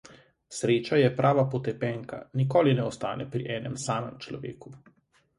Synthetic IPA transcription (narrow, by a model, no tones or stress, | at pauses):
sɾeːt͡ʃajɛpɾʔaːʋapɔt̪ɛpɛŋka̰nikoːlinɛɔst̪aːnɛpɾiʔɛːnɛmsaːmɛmt͡ʃlɔ̰ʋḛːku